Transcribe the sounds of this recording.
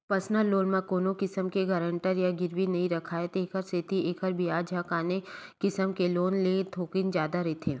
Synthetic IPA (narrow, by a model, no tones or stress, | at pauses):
pɐsnəlːoːlmãkoːnõkɪsəmkeɡɐɾə̃ɳʈəɾjaɡɪɾwinɐɦĩɾɐkʰaːet̪eːkəɾset̪ieːkəɾbijaːd͡ʒʱakaːnekɪsəmkeloːnlet̪ʰoːkɪnd͡ʒjaːd̪aɾɛːt̪ʰẽː